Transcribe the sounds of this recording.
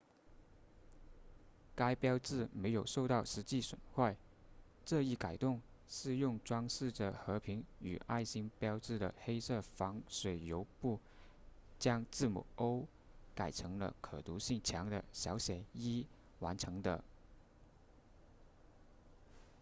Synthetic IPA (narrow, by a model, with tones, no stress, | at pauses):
ka˥ɪpjɑ˥ʊt͡sɹ̩˥˩me˧˥ɪjo˨˩ʊʂo˥˧ʊt̪ɑ˥˩ʊʂɻ̩˧˥t͡ɕi˥˩swə̰˨˩nxwa˥˧ɪ | ʈ͡ʂɤ˥˧i˥˩ka˨˩ɪt̪ʊ˥˧ŋ | ʂɻ̩˥˧jʊ˥˩ŋʈ͡ʂwɑ˥ŋʂɻ̩˥˩ʈ͡ʂə˩xɤ˧˥pʰi˧˥ŋy̰˨˩ʔa˥˩ɪɕi˥ŋpjɑ˥ʊt͡sɹ̩˥˩d̪ə̰˩xe˥ɪsɤ˥˩fɑ˧˥ŋʂwe˨˩ɪjo˧˥ʊpu˥˩ | t͡ɕjɑ˥ŋt͡sɹ̩˥˩mṵ˨˩o˥ʊ | ka˨˩ɪʈ͡ʂʰɤ˧˥ŋlə̰˧kʰɤ̰˨˩t̪u˧˥ɕi˥˩ŋt͡ɕʰjɑ˧˥ŋd̪ə̰˧ɕjɑ˧˥ʊɕjɛ˨˩i˥ | wa̰˧˥nʈ͡ʂʰɤ˧˥ŋd̪ə̰˧